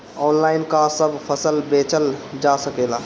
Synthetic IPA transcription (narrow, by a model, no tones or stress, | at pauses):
ɔːnlaːɪnkasəbʱpʰəsəlbeːt͡ʃəld͡ʒasəkeːla